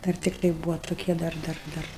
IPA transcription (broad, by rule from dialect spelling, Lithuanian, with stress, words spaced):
ˈdɐr tʲɪkˈtɐɪ ˈbuːʋɐ tʊˈkʲiɛ ˈdɐr ˈdɐr ˈdɐr